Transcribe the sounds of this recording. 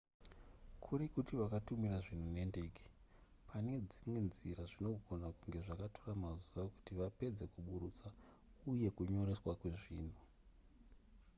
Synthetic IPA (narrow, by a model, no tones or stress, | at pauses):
kʰuɾikutiʋakatumiraʐin̤une̞nde̞ːɡe̥ | pʰane̞d͡zimwe̞nziraʐino̞ɡʱo̞nakuŋɡe̞ʐakatoramazuʋaku̥tiʋape̞d͡ze̞kuɓuɾut͡sa | uje̞kuɲo̞ɾe̞swakwe̞ʐiːn̤u